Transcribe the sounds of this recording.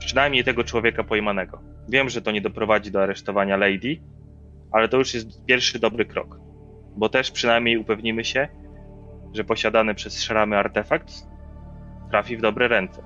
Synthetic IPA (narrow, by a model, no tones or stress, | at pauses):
pʂɘnajmɲejt̪ɛɡɔt͡ʂwɔvʲjɛkapɔjmanɛɡɔ | vʲjɛmʐɛt̪ɔɲɛd̪ɔpɾɔvad͡ʑid̪ɔaɾɛʂt̪ɔvaɲalɛjd̪ʲi | ʔalɛt̪ɔjuʂjɛst̪pʲjɛɾfʂɘd̪ɔbɾɘkɾɔ̰k | bɔt̪ɛʂpʂɘnajmʲɲejupɛvɲimɘɕɛ | ʐɛpɔɕad̪anɛpʂɛsʂaɾamɘaɾt̪ɛfak̚t̪ | t̪ɾafʲivd̪ɔbɾɛɾɛnt̪sɛ